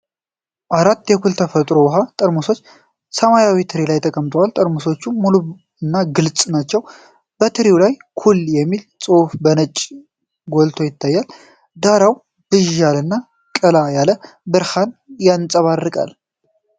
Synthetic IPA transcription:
ʔaɾat̪ːjɛkʰult̪ʰəfət̪ʼɾo̞wɦat̪ʼəɾmuso̞t͡ʃː | səmajawit̪ʰɨɾilajt̪ʰəkʼəmːt̪ʰəwalt̪ʼəɾmuso̞t͡ʃːumuluβ | ɨnːaɡɨlt͡sʼnat͡ʃːɛw | b̥ət̪ʰɨɾiwlajkʰuljɛmːilt͡sʼofbənət͡ʃʼ | ɡo̞lt̪ʰo̞jɪt̪ʰːajːal | d̪aɾaw | d̪̥ɨʒalɨnːa | kʼəlajalə | bɨɾhanjant͡sʼəβarːɨkʼa̰l

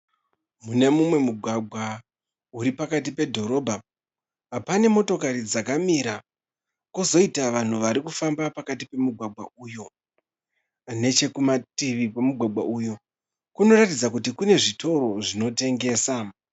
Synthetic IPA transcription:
mune̞mumwe̞muɡʱwaɡʱwa | uɾipakat̬ipe̞dʱo̞ɾo̞ːbʱaː | pane̞mo̞to̞kaɾid͡zakamiɾa | kuzo̞itaʋan̤uʋaɾikufambapakatipe̞muɡʱwaɡ͡bʱa̰uːjo̞ | ne̞t͡ʃe̞kumatiʋikwemuɡʱwaɡ͡bwa̰ʔujo̞ | kuno̞ratid͡zakutikune̞ʐitʰo̞ɾo̞ʐino̞te̞ŋɡe̞ːsa

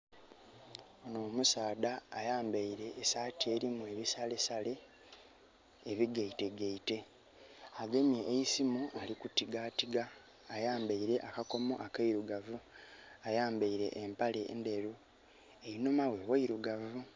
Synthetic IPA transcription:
onoːmusaːdaːjaːmbaiɾe̞ːsaːtie̞ɾimue̞βisale̞sale̞ | βiɡeite̞ɡeite̞ | aɡe̞mjeʔːjisimualikutiɡaːtiɡaː | jaːmbaiɾe̞ʔakako̞moʔakaiɾuɡavuajaːmbaiɾe̞̰ʔːmpale̞̰ndeɾu | ejinomawe̞waiɾuɡavu

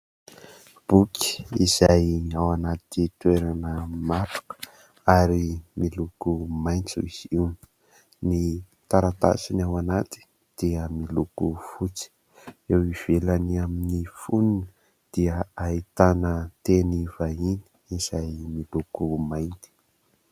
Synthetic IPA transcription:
b̥ukʲi̥iz̥ajawanat̪it̪weɾanəmat̪u̥kə̥ | aɾimilukumajnt͡siz̥iwn | ni | t̪aɾat̪a̰sinawanat̪i̥ | d̪̥iəmilukufut͡si̥ | ewiv̥elaniaminifunini | d̪̥iəait̪anət̪enivaini̥ | iz̥ajmilukumajnt̪i̥

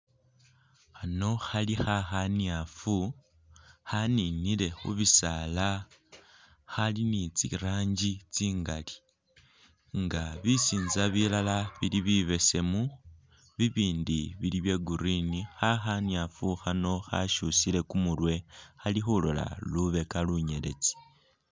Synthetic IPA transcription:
xano̞xalixaxanjafu | haninile̞xṵβisala | xalinit͡sḭɾaːɲɟit͡siːŋɡali̥ | ŋɡaβisiːnzaβilalaβiliβiβe̞se̞mu | βiβiːndiβiliβje̞ɡuɾinixaxanjafuxano̞xa̰ʃusile̞kumulwe̞xalixulo̞la̰luβe̞kaluɲe̞le̞̰t͡si̥

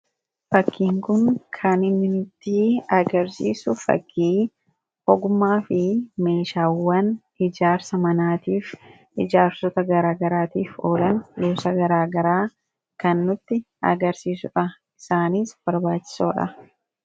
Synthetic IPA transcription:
fɐkːiːŋkʊŋkʰɐnɪnːɪnʊt̪ːɪɐɡɐɾsḭːsʊfɐ̰kːiː | hɔɡʊmːaːfɪme̞ːʃaːwːɐn | ɪd͡ʒaːɾsɐmɐnaːt̪iːf | ɪd͡ʒaːɾsɔt̪ɐɡɐɾaːɡɐɾaːt̪iːfoːlɐnjoːsɐɡɐɾaːɡɐɾaː | kɐnːʊt̪ːɪ | ɐ̰ɡɐɾsiːsʊᶑɐ | ɪsaːniːsb̥ɐɾbaːt͡ʃːɪ̥soːᶑɐ̰

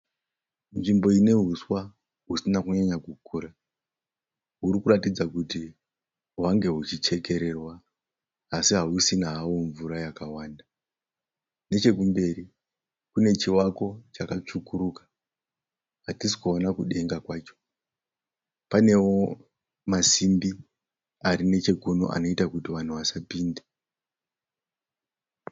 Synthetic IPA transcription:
nʐimbo̞ine̞ɦuswa | ɦusinakuɲaɲaɡukʰuːɾa | ɦuɾikuratid͡zakuti | ɦwaŋɡe̞ɦut͡ʃit͡ʃe̞ke̞ɾe̞rwaː | siɦaɦusinaɦawoɱvuɾajakawaːnda | ne̞t͡ʃe̞k̬umbe̞ɾi | kune̞t͡ʃiwako̞t͡ʃakat͡ʂukuɾukḁ | ɦatisi̥kuonakuɗe̞ŋɡakwaːt͡ʃo̞̥ | pane̞wo | masimbi | aɾine̞t͡ʃe̞ɡʱuno̞̰ʔa̰no̞itakutiʋan̤uʋasapiːnde

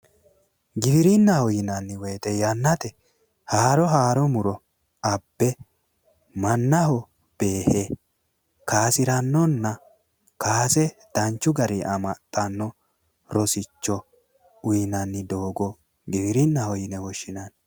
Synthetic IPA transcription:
ɡɪbɪɾɪnːɐhɔjɪnɐnːɪweːt̪ɛjɐnːɐt̪ɛ | haːɾɔɦaːɾɔmʊɾɔ | ɐbːɛ | mɐnːɐɦɔ | b̥e̞ːhe | kaːsɪɾɐnːɔnːɐ | kaːsɛd̪̥ɐnt͡ʃːʊɡɐɾɪʔɐmɐt̪ʼːɐnːɔ | ɾɔsɪt͡ʃːɔ | ʊjɪnɐnːɪd̪oːɡɔ | ɡɪbɪɾɪnːɐhɔjɪnɛwɔʃːɪnɐn

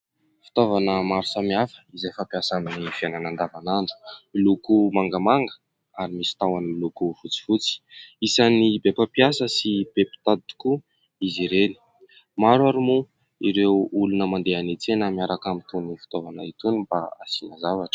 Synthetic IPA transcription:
fi̥t̪ovanəmaɾusamiafə̥izefapiasaminifiananand̪avanaɳɖ͡ʐu̥lukumaŋɡəmaŋɡə | aɾimisi̥t̪awanilukufut͡si̥fut͡si̥isanibepapiasəsib̥epi̥t̪at̪u̥ku | iziɾeli̥ | maɾwaɾumu | iɾewulunəmand̪eanet͡senəmiaɾakamit̪unifi̥t̪ovanəit̪unib̥a̰a̰sinəzavaʈ͡ʂə̥

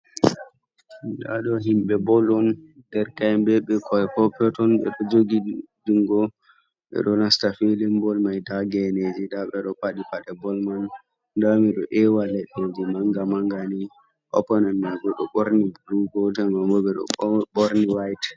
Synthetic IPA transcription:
da̰ɗɔɦimɓɛbɔlɔnd̥ɛɾkajmbɛɓɛkʰɔɛpɔpɔtɔnɓɛ̰ɗɔd͡ʒoɡiduŋɡɔ | ɓɛ̰ɗɔnastafelimbɔlmajdaɡɛned͡ʒidaɓɛɗɔpaɗipaɗɛbɔlman | damiɗɔʔɛwalɛɗed͡ʒimaŋɡamaŋɡani | ʔɔ̰pɔnɛnːaɡɔɗɔ̰ɓoɾnibuluɡɔtɛŋɡambɔɓɛɗɔ̰ɓɔɾniwajt

